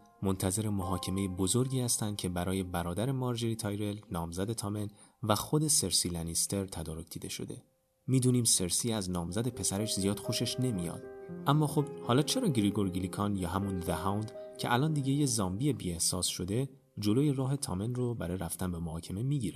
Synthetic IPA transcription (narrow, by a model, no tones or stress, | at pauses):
mont̪ʰæze̞ɾe̞moɦɒːcʰe̞me̞jebo̞zo̞ɾɟiːhæst̪ænd̪̥̚cʰe̞bæɾɒːje̞bæɾɒːd̪æɾe̞mɒɾd͡ʒeɾit̪ʰɒjɾe̞lnɒːmzæd̪e̞t̪ʰɒːme̞n | væxo̞d̪e̞se̞ɾsilænist̪ʰe̞ɾt̪ʰæd̪ɒːɾo̞cʰd̪̥iːd̪e̞ʃo̞̰d̪e̞̰ | miːd̪uːniːmse̞ɾsiːæznɒːmzæd̪e̞pʰe̞sæɾeʃzijɒːd̪xo̞ʃeʃnemijɒ̰d̪̥ʔæmːɒːxobhɒːlɒːt͡ʃʰe̞ɾɒːɟɾiɡo̞ɾɡilikʰɒnjɒːɦæmunveɦawnd̪cʰe̞ʔælɒːnd̪iːɟe̞jezɒːmbiebḭːe̞hsɒːsʃo̞d̪e̞ | d͡ʒo̞loːje̞rɒːɦe̞t̪ʰɒːme̞nrobæɾɒːjeʔæft̪ænbe̞mohɒːcʰeme̞miːɟiːɾe